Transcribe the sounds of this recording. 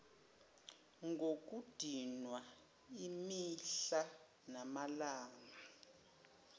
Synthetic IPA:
ŋɡok̬ʼud̥ʱinwa | imiɬa | namalaːŋa

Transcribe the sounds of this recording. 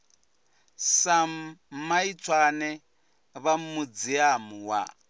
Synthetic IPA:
samait͡sʰwanɛ | βamud͡ziamuwa̰

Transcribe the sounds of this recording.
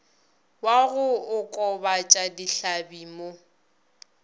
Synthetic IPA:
waɣʊʊkʼɔbat͡ʃʼadiɬabiːmo

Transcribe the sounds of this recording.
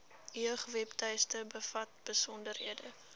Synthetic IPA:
iəχvɛptœjstəbəfɐt̚b̥əsɔndərɦiədə

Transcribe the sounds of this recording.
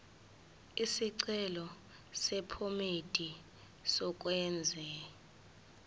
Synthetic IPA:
isiǀɛlɔ | sɛpʰomed̥ʱi | sɔk̬wɛnd͡zʱɛ

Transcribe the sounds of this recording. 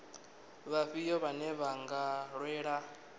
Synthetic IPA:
βaɸijɔβanɛβaŋɡaɺwɛːɺa

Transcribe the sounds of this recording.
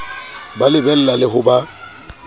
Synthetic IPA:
balɪbɛl̩lalɪhʊba

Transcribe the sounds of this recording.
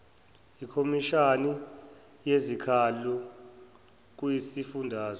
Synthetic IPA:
ikʰomiʃani | jezikʰalu | k̬wisifundʱaːzɔ

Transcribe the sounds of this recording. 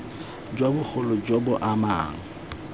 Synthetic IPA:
d͡ʒwabʊk͡xʰʊlɔd͡ʒobʊʔama̰ːŋ̩

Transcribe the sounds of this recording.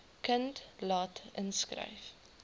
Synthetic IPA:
kəntlɑːtənskrə̰jf

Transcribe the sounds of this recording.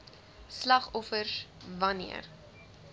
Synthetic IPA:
slɐχɔfərsvɐnḭə̰r

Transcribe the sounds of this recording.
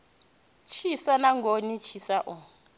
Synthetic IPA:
t͡ʃʰisanaŋɡʱonit͡ʃʰisaʔɔ

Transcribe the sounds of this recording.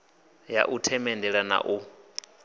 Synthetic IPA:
ja̰ʔutʰɛmɛndɛɺana̰ʔu

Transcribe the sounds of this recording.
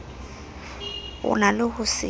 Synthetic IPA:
ʊ̰nalʊhʊsɪ̰

